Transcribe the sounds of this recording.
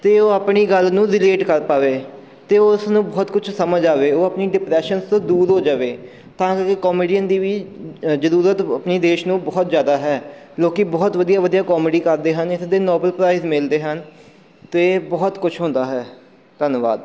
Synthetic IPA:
t̪eːoːəpɳiːɡəlnũːɾɪleːʈkəɾpaːʋeː | t̪eːoʊsnũːbɔːt̪kʊt͡ʃʰsəməd͡ʒaːʋeːoːapniːɖɪpɾɛːʃənst̪õːd̪uːɾɦoːd͡ʒaːʋeː | t̪ãːkkɪkɔːmiːɖijənd̪iːʋiːzəɾuːɾət̪əpniːd̪eːʃnũːbɔːt̪zjaːd̪aːɦɛː | loːkibɔːt̪ʋəd̪ijaːʋəd̪ijaːkɔːməɖiːkəɾd̪eːɦənɪsd̪eːnɔːbəlpɾaːizmɪld̪eːɦən | t̪eːbɔːt̪kʊt͡ʃʰɦõːnd̪aːɦɛː | t̪ənʋa̰ːd̪

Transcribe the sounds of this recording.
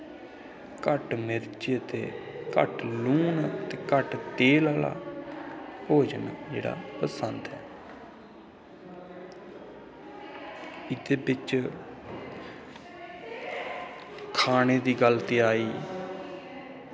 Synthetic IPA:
kəʈmɪɾt͡ʃet̪ḛːkə̰ʈluːnːt̪eːkəʈt̪eːlaːla̰ː | poːd͡ʒənd͡ʒḛːɽa̰ːpəsənd̪ɛː | ɪd̪eːbɪt͡ʃ | kʰaːneːd̪iːɡəlt̪eːaːiː

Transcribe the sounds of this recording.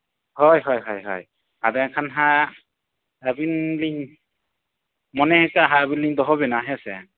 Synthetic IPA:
hɔjɦɔjɦɔjɦɔ̰j | adɛkʰanɦa | abinliŋ | mɔnɛhɛkaɦaabinliŋdɔɦɔbɛnaɦɛsɛ

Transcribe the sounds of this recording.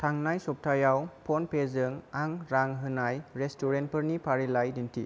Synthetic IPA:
tʰaŋnajsɔp̚tʰajawpʰɔnpʰezɯŋaŋɾaŋɦɯnajɾestʰɔɾent̚pʰɯɾnipʰaɾilajdintʰḭ

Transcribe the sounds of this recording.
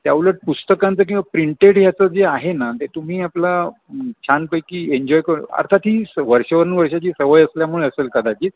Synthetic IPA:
t̪jaʋləʈ̚pust̪əkant͡səːkĩw̃ʋapɾiɳʈeɽɦjat͡səːd͡zeaɦenat̪et̪um̤iːapla | t͡ɕʰanpəjkiːeɲd͡ʑɔjkəɾuna̰ɾt̪ʰat̪ɦiːsʋəɾʂəʋəɾəɳʋəɾʂat͡ɕiːsəʋəjəsljamuɭeəselkəd̪akiː

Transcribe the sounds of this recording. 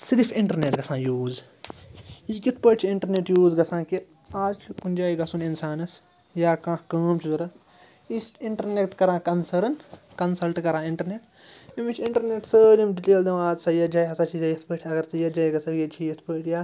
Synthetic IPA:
siɾipʰiɳʈɐɾneːʈɡɐsãːjuːz | ikit̪ʰpəʈt͡ʃʰiiɳʈɐɾneːʈjuːzɡɐsãːki | aːzt͡ʃʰikund͡ʒaːiɡɐsuːninsaːnɐs | jaːkãːkɐːmt͡ʃʰizuɾɐ | isʈiɳʈɐɾnek̚ʈkɐɾãːkɐnsɐɾnkɐnsɐlʈkɐɾãːiɳʈɐɾneːʈ | imit͡ʃʰiɳʈɐɾneːʈsəːlimɖiʈeːld̪ɐwaːzsɐjɐd͡ʒaːjɐsaːt͡ʃʰizɐjɐt̪ʰpəːʈʰʲɐɡɐɾsɐjɐd͡ʒaːjɡɐsɐjɐt͡ʃʰiɐt̪ʰpəːʈʰjaː

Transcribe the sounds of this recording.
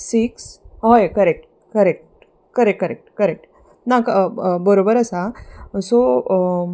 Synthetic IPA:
siksɦojkəɾek̚ʈ | kəɾek̚ʈ | kəɾekkəɾek̚ʈkəɾek̚ʈ | nakbəɾobəɾəsaso

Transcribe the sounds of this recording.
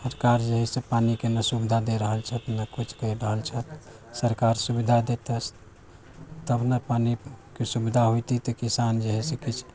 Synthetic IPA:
səɾkaɾd͡ʒeɦɛsẽpanikenəsubid̪ʱad̪eɾəɦəlt͡ʃʰət̪nəkut͡ʃʰkəiɾəɦəlt͡ʃʰət̪ | səɾkaɾsubid̪ʱad̪et̪əs | t̪əbnəpanikesubid̪ʱaɦojt̪it̪əkisand͡ʒeɦɛsẽkit͡ʃʰ

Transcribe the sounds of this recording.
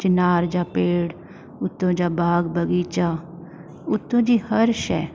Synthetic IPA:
t͡ʃɪnaːɾd͡ʒaːpeːɽ | ʊt̪ːõːd͡ʒaːbaːɡbəɡiːt͡ʃaː | ʊt̪ːõːd͡ʒiːhəɾʃɛː

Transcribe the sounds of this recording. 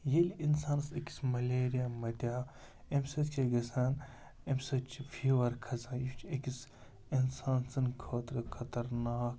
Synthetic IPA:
jelʲinsaːnsɐkʲi̥smɐlʲeːɾijamɐt̪jaː | emsɐt̪t͡ʃʰeɡɐsaːn | emsɐt͡ʃʰfʰiːʋɐɾkʰɐzaːnjit͡ʃʰekis | insaːnsɐnkʰoːt̪ɾɨkʰɐt̪ɐɾnaːk̚

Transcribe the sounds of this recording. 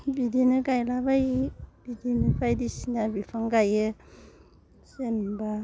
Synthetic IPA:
bidinɯɡajlabajb̥idinɯpʰajdisinabipʰaŋɡaje | senba

